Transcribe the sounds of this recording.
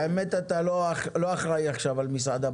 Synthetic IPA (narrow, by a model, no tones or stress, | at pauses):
emet̪at̪aloχlo̞aχʁaiaχʃavalmis̬ʕad̪a